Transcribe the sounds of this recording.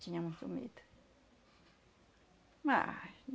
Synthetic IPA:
t͡ʃiɲãmũsumḭ̃t̪ | mãʔɲ

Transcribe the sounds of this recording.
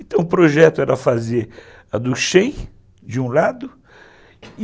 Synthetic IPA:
ẽt̪ɐ̃w̃ʊpɾoʒɛt̪ʊɛɾɐfazeɾ | ɐd̪ʊʃẽj̃ | d͡ʒɪũlad̪ʊ | ɪ

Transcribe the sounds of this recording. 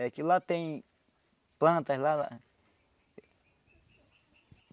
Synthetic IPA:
ekilat̪ẽĩ | plãt̪alala̰

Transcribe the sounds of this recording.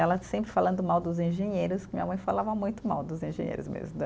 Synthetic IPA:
ɛlɐsẽmpɾɪfalɐ̃nd̪ʊmawd̪ʊzẽʒẽɲejɾʊskɪmĩɲɐmɐ̃j̃falavɐmũj̃t̪ʊma̰wd̪ʊzẽʒḛ̃ɲḛjɾʊzmḛzmʊd̪

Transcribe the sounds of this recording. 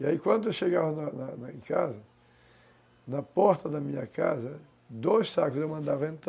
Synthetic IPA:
iaikwɐ̃nd̪ʊewʃeɣavɐnɐnɐnɐẽŋkazɐ | nɐpɔɾt̪ɐd̪ɐmĩɲɐkazɐ | d̪ojssakʊzewmɐ̃nd̪avɐẽnt̪

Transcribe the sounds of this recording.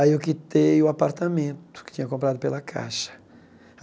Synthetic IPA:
aiʊkɪt̪ejʊapaɾt̪amẽnt̪ʊ̥kɪ̥t̪ĩɲɐkõpɾad̪ʊpelɐkʰa̰ʃɐ̥

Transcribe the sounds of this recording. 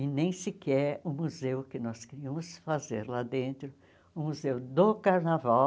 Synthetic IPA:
ɪnẽj̃sɪkɛɾʊmuzewkɪnɔskeɾiɐmʊsfazḛɾlad̪ẽnt̪ɾʊ | ʊmuzewd̪okaɾnava

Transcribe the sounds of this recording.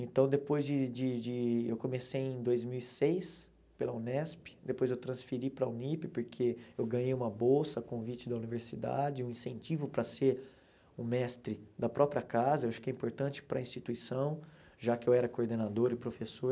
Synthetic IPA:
ẽnt̪ɐ̃w̃d̪epojzd͡ʒɪd͡ʒɪd͡ʒɪewkomesejẽd̪ojzmiwisejs | pelɐunɛspɪ̥d̪epojzewt̪ɾɐ̃sfiɾipɾɐunipɪpoɾkʰeewɡɐ̃ɲejũmɐbowsɐkõvit͡ʃɪd̪ɐuniveɾsid̪a̰d͡ʒɪũĩsẽnt͡ʃivʊpɾɐseɾ | ũmɛst̪ɾɪd̪ɐpɾɔpɾiɐkazɐewaʃʊ̥kɪɛĩmpoɾt̪ɐ̃nt͡ʃɪ̥pɾɐĩst͡ʃit̪uisɐ̃w̃ | ʒakɪewɛɾɐkoɾd̪enad̪oɾɪpɾofesoɾ

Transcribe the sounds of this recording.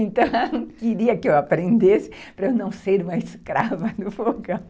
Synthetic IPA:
ẽnt̪ɐ̃w̃ɐ̃kiɾiɐkɪewapɾẽnd̪esɪ̥pɾɐewnɐ̃w̃seɾũmɐɪskɾavɐd̪ʊfoɡɐ̃w̃

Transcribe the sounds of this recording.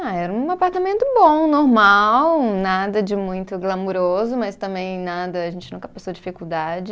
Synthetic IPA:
aɛɾɐũapaɾt̪amẽnt̪ʊbõnoɾmawnad̪ɐd͡ʒɪmũj̃t̪ʊɡlamoɾozʊmɐst̪ɐ̃mbẽj̃nad̪ɐaʒẽnt͡ʃɪnũkɐpasowd͡ʒifikuwd̪ad͡ʒɪ

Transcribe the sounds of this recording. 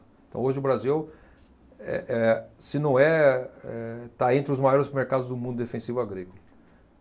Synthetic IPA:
ẽt̪ɐ̃w̃oʒɪʊbɾaziw | ɛ̰ʔɛsɪnɐ̃w̃ɛɛt̪aẽnt̪ɾɪʊzmajɔɾɪsmeɾkad̪ʊzd̪ʊmũd̪ʊd̪efẽsivʊaɡɾikʊlɐ

